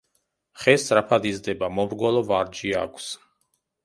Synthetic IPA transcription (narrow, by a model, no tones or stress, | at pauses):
χɛsɾapʰad̪izd̪ɛbamɔbɾɡɔlɔvaɾd͡ʒia̰kʰs